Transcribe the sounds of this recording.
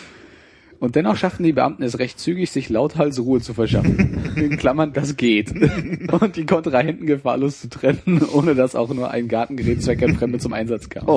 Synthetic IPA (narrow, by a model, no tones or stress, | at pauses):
ʔʊnt̚d̥ɛnɔχʃaftn̩diːbəʔa̰mtn̩ɛsʁɛçtt͡syːɡɪçz̥ɪçlaʊthalsʁuːət͡sufɛɐʃafn̩ɪnkʰl̥amɐndas̬ɡ̥eːtʔʊnt̚d̥iːkʰɔntʁ̥ahɛntn̩ɡəfa̰ɐloːst͡sutʁ̥ɛnənʔoːnədasa̰ʊxnuːɐʔa̰ɪnɡaɐtn̩ɡəʁɛːt̚t͡sv̥aɪkanfʁ̥ɛmdət͡sʊmʔa̰ɪnzat͡skʰa̰ːm